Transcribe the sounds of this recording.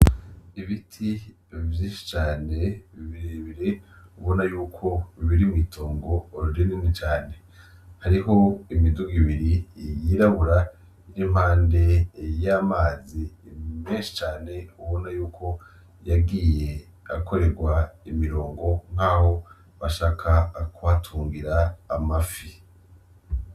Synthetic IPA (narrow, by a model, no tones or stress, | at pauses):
iβitʰi | vjiːnʃi̥t͡ʃaːne̞βiβiɾeβiɾe̞uβo̞najuːkʰo̞βiβiɾimŋiːtʰoːŋɡoːɾuɾininit͡ʃaːne̞ | haɾiɦo̞imiduɡiβiɾijiːɾaβuɾa | iɾim̥haːnde̞jamaːzimeːnʃi̥t͡ʃaːne̞uβo̞najuːkʰo̞ | jaɡiːje̞ | ako̞ɾe̞ɾɡwaimiɾo̞ːŋɡo̞ŋ̥aːho̞ | βaʃaːkʰakuβatʰuːŋɡiɾaːmafi